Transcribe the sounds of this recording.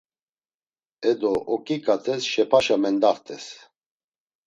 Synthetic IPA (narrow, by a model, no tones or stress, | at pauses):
ɛd̪ɔʔɔkʼikʼat̪ʰʼɛsʃɛpʰaʃamɛnd̪aɾt̪ʰʼɛs